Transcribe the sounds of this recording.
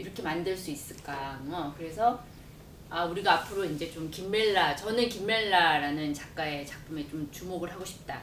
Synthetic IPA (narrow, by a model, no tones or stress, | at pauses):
iɾʌkʰe̞mandɯɭs͈uis͈ɯɭk͈aŋʌkɯɾe̞sʰʌ | auɾiɡaːpʰɯɾoind͡ʑe̞t͡ɕomkimːeɭːat͡ɕʌnɯkimːeɭːaɾanɯnt͡ɕak͈̚ae̞t͡ɕak̚pʰɯme̞t͡ɕomt͡ɕumoɡɯɭɦaɡoɕʰi̥p̚t͈a